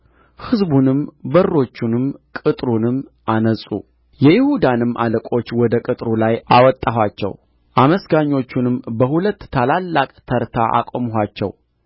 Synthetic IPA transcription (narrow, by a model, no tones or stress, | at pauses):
hɨzbunɨmbərːo̞t͡ʃːunɨmkʼɨt̪ʼɾunɨmʔanəsʼṵ | jɛjɪhud̪anɨmʔa̰ləkʼo̞t͡ʃːwɔd̪əkʼɨt̪ʼɾulajawɔt̪ʼːahwat͡ʃːɛ̰w | ʔaməsɡaɲːo̞t͡ʃːunɨmbəhulət̪ːt̪ʰalalːakʼt̪ʰəɾt̪ʰaʔa̰kʼomɦʷat͡ʃːɛ̰w